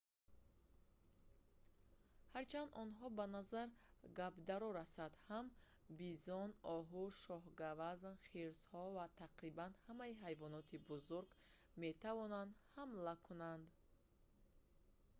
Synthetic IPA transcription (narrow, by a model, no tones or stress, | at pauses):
haɾt͡ʃʰand̪ʔɔnɦɔbanazaɾɡabd̪aɾɔɾasad̪ham | bizɔnʔɔɦuʃɔɦɡavaznχiɾzhɔvat̪ʰaqɾibanhamaiɦajvɔnɔt̪ʰibuzuɾɡme̞t̪ʰavɔnand̪hamlakʰunand̪